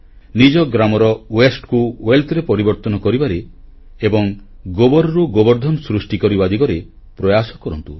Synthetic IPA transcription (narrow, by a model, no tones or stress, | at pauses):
nid͡ʒɔɡɾamɔɾɔwesʈkuweld̪ɾepɔɾibɔɾt̪ɔnɔkɔɾibaɾeː | bɔŋ | ɡobɔɾɔɾuɡobɔɾd̪ʱɔnɔsɾusʈikɔɾibad̪ʱikɔɾe | pɾɔjasɔkɔɾɔnt̪u